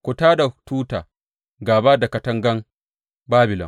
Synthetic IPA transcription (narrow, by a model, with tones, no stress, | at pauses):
kʷʊ˨taː˦da˨tuː˦taː˨ | ɡaː˨baː˦da˨ka˨tɐ˦ŋɡɐ˦n | baː˦bɪ˨lɔ̰˨m